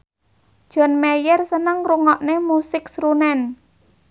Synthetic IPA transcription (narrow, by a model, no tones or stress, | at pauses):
d̥ʒ̥ɔ̤nmejərsənəŋruŋɔʔnemusɪksrunɛn